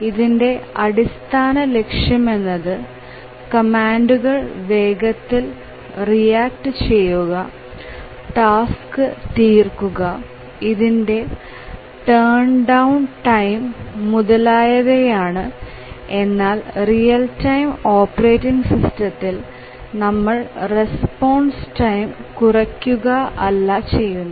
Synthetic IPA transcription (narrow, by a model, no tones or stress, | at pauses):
iðinde̞ɐɽist̪ʰaːnɐle̞kʂjɐme̞nːɐðɨ | kɐmaːnɖuɣɐɭʋe̞ːɡɐt̪ːil | rijaːk̚ʈɨt͡ɕe̞jːuɣɐ | ʈaːskɨt̪iːrkuɣɐ | iðinde̞ | ʈeːɳɖɐwnʈɐjmːuðɐlaːjɐðejaːɳɨ | e̞nːaːlrijɐltɐjmo̞ːpːɐre̞ːtːiŋɡsistɐt̪ːil | nɐmːɐɭre̞spoːɳsʈɐjmkurɐkʲːuɣɐɐlːɐt͡ɕe̞jːunːɐ